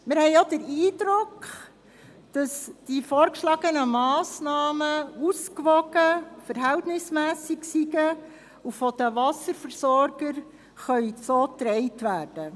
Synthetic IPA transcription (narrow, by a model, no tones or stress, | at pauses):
mɪɾhɛɪjodəɾiːdɾʊkχ | d̥ɑsd̥ifoːɾkʃlɑːɡənəmɑːsnɑːməuskʋɔɡ̥əfəɾɦɛltnɪsmæːsiksiɡə | ufɔd̥̪əʋɑsəɾfəɾsɔɾɡəɾ | χœɥsoːtɾɛɪtʋæːrd̥ə